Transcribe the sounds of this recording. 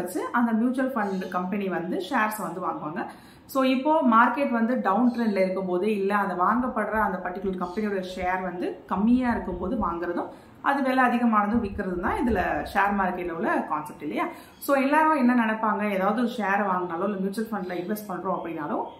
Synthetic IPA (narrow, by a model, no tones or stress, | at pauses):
ɐt͡ʃːɯʔɐnd̪ɐmjuːt͡ʃuɐlfɐɳɖkɐmpɛniʋɐnd̪ɯʂeːɾsʋɐnd̪ɯʋaːŋɡɯʋaːŋɡɐ | soːɪpːoːmaːɾkeːʈʋɐnd̪ɯɖɐʊnʈɾeːnɪlɐɪɾɯkːɯmpoːðɯɪlːɐɐnd̪ɐʋaːŋɡɐpːɐɽɯɾɐɐnd̪ɐpɐʈːɪkːjʊlɐɾkɐmpɛniɔɽɪjɐʂeːɾʋɐnd̪ɯkɐmːɪjaːɪɾɯkːɯmpoːðɯʋaːŋɡɪɾɐðʊ̃ | ʔɐ̰ðɯʋeːlɛɐðɪɣɐmaːnɐðɯ̃ʋɪkːɪɾɐðɯt̪ãːɪðɪlɐʂeːɾmaːɾkeːʈːɐɔlːɐkaːnsɛp̚ʈɪlːɐjaː | soːɛlːaːɾõɛnːɐnɛnɛpːaːŋɡɐeːðaːʋɐðɯɔɾɯʂeːɾʋaːŋɡɯnaːlõɪlːɐmjuːt͡ʃʊɐlfɐɳɖlɐɪnʋɛsʈ̚pɐɳːɾõːɐpːɐɽɪnːaːlõ